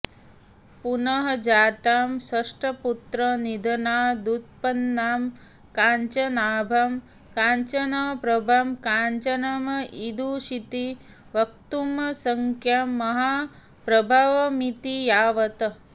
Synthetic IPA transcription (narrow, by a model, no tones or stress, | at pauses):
punɐɦɐd͡ʒaːt̪aːmsɐʂʈɐput̪ɾɐnid̪ʱɐnaːd̪ut̪̚pɐnːaːm | kaːɲt͡ʃɐnaːbʱam | kaːɲt͡ʃɐnɐpɾɐbʱamkaːɲt͡ʃɐnɐmɐid̪ʱuʃit̪i | ʋɐk̚t̪umɐsɐŋkʰjamːɐɦa | pɾɐbʱaʋɐmit̪ijaːʋɐt̪